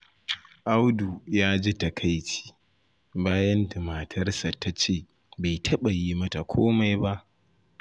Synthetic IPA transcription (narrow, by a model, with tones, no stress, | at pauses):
ʔa˦wdu˨jaː˦d͡ʒi˦tɐ˨kʰa˦jt͡ʃi̥ː˦ | baː˦jɐ˦nda˨maː˨tʰɐ˦rsa˨ta˦t͡ʃeː˦˨ | ba˨jtʰɐ˦ɓa˨jiː˦mɐ˦ta˨kʷʰoː˦ma˦jba˦ʔ